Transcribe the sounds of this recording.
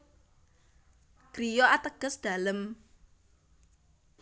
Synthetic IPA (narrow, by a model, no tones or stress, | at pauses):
ɡ̥ɾijɔʔat̪əɡ̥ə̤sd̪̥a̤ləm